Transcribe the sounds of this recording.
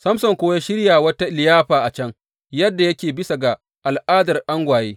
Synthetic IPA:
sɐ˦msɐ˨ŋkʷoː˦ja˦ʃɪ˦ɽjaː˨wɐ˦ta˦˨lɪ˨jaː˦ɸaː˨ʔa˨t͡ʃɐ˦ŋ | jɐ˦dːa˨jɐ˦kʲeː˨bɪ˦sa˨ɡa˨ | ʔa˨lʔaː˦dɐ˨rʔa˦ŋɡʷaː˨jeː˦

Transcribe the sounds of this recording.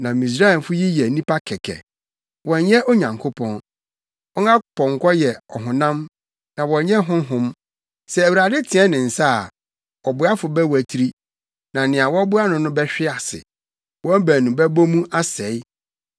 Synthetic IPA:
nã˨mĩ˨s̬ɾa˦ɛ˨m˨fʊ˦ji˦jɛ˨nĩ˦pʰa˦kʰɛ˨kʰɛ̰˨ | wɔ̃˨nɲɛ˦ʔo˦ɲã˨ŋkʰo˦pʰɔ̃˨n | wɔ˦ŋã˦˨pʰɔ̃˨ŋ˨kʰɔ˦jɛ˨ɔ˨ɦʊ̃˨nã˦m | nã˨wɔ̃˨˦ɲɛ̃˦ɦʊ̃˦ɦʊ̃˦m | sɛ˨æ˨wu˨ɾa˨dɪ˦tʰɪ̃˨ɛ˦nɪ̃˨n̩˨sa˦a˨ | ɔ˨bʊ˨˦a˦fʊ˨bɛ˦wæ˨tʰi˦ɾi˦ | nã˨nɪ̃˨a˨wɔ˦bʊ˦a˦nʊ̃˨nʊ̃˦bɛ˦ɕᶣɪ˦a˨sɪ̰˨ | wɔ̃˦bæ˨nũ˨bɛ˦bo˦mũ˦ʔa˦sɛ˨˦ɪ˦

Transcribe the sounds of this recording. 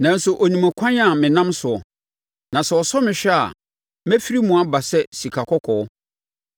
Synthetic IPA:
nã˨n̩˦sʊ˨ʔo˨nĩ˨mæ̃˨kʰã˦ɲ˦a˦˨mɪ̃˨nã˦msʊ˨ɔ˨ | nã˨sɛ˨ɔ˨sɔ˦mɪ̃˨ɕᶣɛ˦a̰˨ | mæ̃˦fi˦ɾi˦mũ˨a˦ba˨sɛ˦si˨kʰa˨kʰɔ˦kʰɔ˨ɔ˦

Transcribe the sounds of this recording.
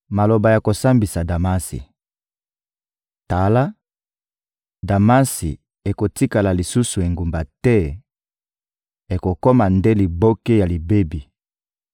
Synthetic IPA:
ma˨lo˨ba˨ja˨ko˨sa˦mbi˨sa˨da˨ma˦sḭ˨ | ta˨la˦ | da˨ma˦sḭ˨ | e˨ko˨ti˦ka˨la˨li˨su˦su˨e˨ŋɡu˨mba˨tɛ˦ | e˨ko˨kɔ˦ma˨nde˦li˨bo˦ke˦ja˨li˨be˦bi˨

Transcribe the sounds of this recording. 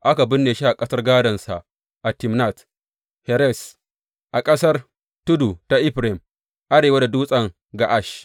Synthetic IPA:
ʔa˦ka˨bɪ˦nːeː˨ʃi˦ʔa˨kʼɐ˦sɐ˦rɡaː˦dɐ˨nsa˨ʔ | ʔa˨tɪ˨mna˦˨t | hɛ˨ɾɛ˦˨s | ʔa˨kʼɐ˦sɐ˦r | tʊ˦du˨ta˨ʔɪ˦ɸɾe˨m | ʔa˦ɾeː˨wa˦da˨duː˦sʼɐ˨ŋ | ɡa˨ʔa˦˨ʃ

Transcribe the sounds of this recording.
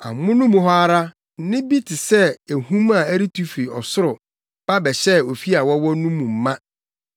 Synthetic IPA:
a̰˨mʊ̃˦nʊ̃˦mũ˨ɦɔ˦a˦ɾa˦ | nɪ̃˦bi˦tʰɪ˨sɛ˦e˨hũ˦ma˨æ˦ɾi˦tʰu˦fɾi˨ɔ˨sʊ˦ɾʊ˨ | b̥a˦bɛ˨ɕɛ˦o˨fi˦a˨wɔ˦wɔ˦nũ˦mũ˨m̩˨˦mã˦

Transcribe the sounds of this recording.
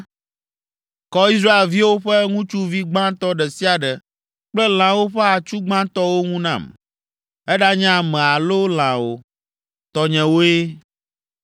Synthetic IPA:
kɔ˦i˦sɾa˦e˨lvi˦wo˦ɸɛ˦ŋũ˦t͡ʃu˦vi˦ɡ͡bã˦t̪ɔ˦ɖɛ˨si˦a˨ɖɛ˨ | k͡plɛ˦l̃ã˨wo˦ɸɛ˦a˨t͡ʃu˦ɡ͡bã˦t̪ɔ˦wo˦ŋũ˦nã̰˦˨m | ɛ˦ɖa˦ɲã˦mɛ̃˨a˨lo˦l̃ã˨wo˦ | t̪ɔ˨ɲɛ̃˨wo˦e˦

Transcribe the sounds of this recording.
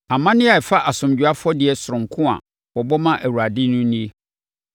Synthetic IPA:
a˨mã˦nɪ̃˦a˨ɛ˨fa˦ʔa˨sʊ̃˨md͡ʑᶣu˨a˦fɔ˦dɪ˨ɛ˨sʊ˨ɾʊ̃˨ŋ̩˨kʰʊ̃˦a̰˨ | bɔ˨bɔ˦mã˦ʔæ˨wu˨ɾa˨dɪ˦nʊ̃˦nĩ˦e˦

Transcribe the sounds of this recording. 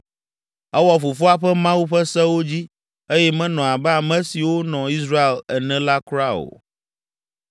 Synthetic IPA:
ɛ˦wɔ˦fo˨fu˦a˦ɸɛ˦mã˦wu˦ɸɛ˦sɛ˦wo˦d͡ʑi˦ | e˦jɛ˦mɛ̃˦nɔ̃˨a˨bɛ˦a˨mɛ̃˦si˨wo˦nɔ̃˨i˦s̬ɾa˦e˨lɛ˨nɛ̃˦la˦kɾa˦o̰˨

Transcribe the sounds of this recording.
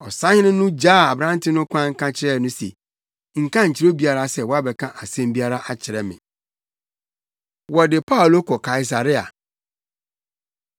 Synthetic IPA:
ɔ˨sã˦ɲɪ̃˦nʊ̃˦nʊ̃˦d͡ʑaː˦˨a˨bɾã˦n˦tʰɪ˦nʊ̃˦kʷʰã˦ŋ̩˦kʰã˦t͡ɕʰɪ˦ɾɛ˦˨nʊ̃˦sḛ˨ | ŋ̩˨kʰã˦ɲ̩˨t͡ɕʰɪ˨ɾo˦bi˦a˦ɾa˦sɛ˨wɔ˦a˦bɛ˨kʰã˦ʔa˨sɛ̃˦mbi˦a˦ɾa˦ʔa˦t͡ɕʰɪ˨ɾɛ˦mɪ̰̃˨ | wɔ˨dɪ˨pʰa˦ʊ˨lo˦kʰɔ˨kʰa˨i˨s̬a˨ɾɪ˦a̰˨

